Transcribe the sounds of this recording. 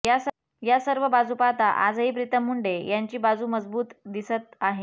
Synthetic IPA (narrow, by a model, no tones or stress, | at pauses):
ja | jasəɾʋəbad͡zupat̪aʔa̰d͡zɦipɾit̪əmːuɳɖejaɲt͡ɕiːbad͡zuːməd͡zbuːt̪d̪isət̪aɦe